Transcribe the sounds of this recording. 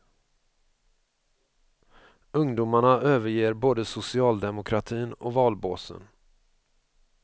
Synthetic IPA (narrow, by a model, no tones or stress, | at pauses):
ɵŋd̪uːmaɳaøːvəɾjeːɾboːd̪əsʊsɪɑːld̪ɛmʊkʰɾat̪ʰiːnɔ̰vɑːlboːsə̰n